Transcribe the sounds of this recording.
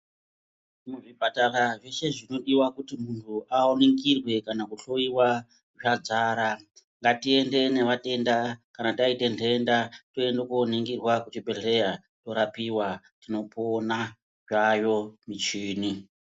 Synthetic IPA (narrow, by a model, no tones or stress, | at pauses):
muʐipatalaʐe̞ʃe̞ʐino̞ɗiwakutimuntʰuʔaone̞ŋɡirwe̞kanakuɬo̞iwa | ʐad͡zaːɾa | ŋɡatie̞nde̞ne̞ʋate̞ndakanataite̞ntʰendato̞endokoneŋɡirwakut͡ʃibʱeɮe̞ja | to̞ɾapiwa | tino̞pona | ʐajo̞mit͡ʃiːni